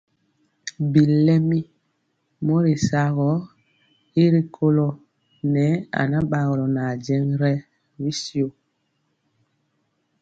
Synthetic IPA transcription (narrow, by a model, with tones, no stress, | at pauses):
bi˨lɛ˦mi˦ | mɔ˦ɾi˨sa˨ɣɔ˦ | i˦ɾi˦kʰo˦lɔ˦ | nɛ˨˦a̰˨na˦ɓa˨ɣɔ˨lɔ˨na˨d͡ʒɛ˦ŋɾɛ˦ | ɾi˦si˦o˨